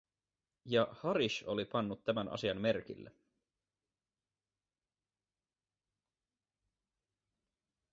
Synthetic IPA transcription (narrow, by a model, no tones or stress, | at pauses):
jɑhɑɾiʃo̞lipɑnːut̪ːæmænʔɑ̰siɑmme̞rk̟ḭlːe